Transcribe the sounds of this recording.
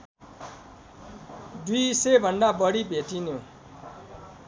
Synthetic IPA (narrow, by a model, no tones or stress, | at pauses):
d̪isebʱʌnɖabʌɽibʱeʈinjo